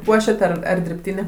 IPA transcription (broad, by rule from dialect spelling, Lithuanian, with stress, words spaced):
ˈpuɔʃʲɛt ˈɐr ɐr dʲɪrʲpʲˈtʲiːnʲeː